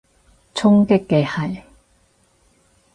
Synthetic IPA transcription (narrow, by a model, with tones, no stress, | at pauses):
t͡sʰʊ˥ŋkɪ˥kːɛ˧hɐ˨˩j